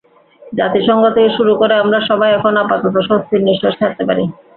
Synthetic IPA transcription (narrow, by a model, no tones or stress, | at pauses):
d͡ʑat̪iʃɔŋɡot̪oeʃuɾukoɾeamɾaʃɔbajɛkʰonapat̪ot̪̬oʃost̪ʰiɾniʃoʃt̪ʰak̚t̪epaɾi